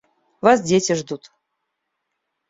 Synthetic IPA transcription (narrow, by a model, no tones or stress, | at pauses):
vasdʲetʲɪʐd̪ut̪